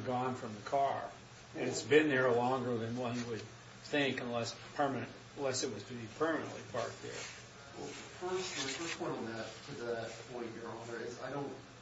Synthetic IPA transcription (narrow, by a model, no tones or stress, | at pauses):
ɡɔ̃nfɹʌ̃mðɨkʰɑɹ | ɨ̃nɨtsbɪ̃nðə˞lɔ̃ŋɡə˞ðɨ̃nwʌ̃niwɨd̪̚ | θɪ̃ŋkə̃nlɛspʰɜ˞mɨnɨ̃n | nlɛsɨt̚wʌz̥tʰɨbipʰɜ˞mɨnɨ̰nʔlḭpʰɑɹk̚ðə̰˞ | wɛ̰fʰɜ˞sˠfə˞spʰɔ̃ɪ̃ñtŋ̩ðɨtʰɨðɨt̚pʰɔ̃ɪ̃nvjə˞ɑ̃nə˞ɪzaɪɾõʊ̃nt̚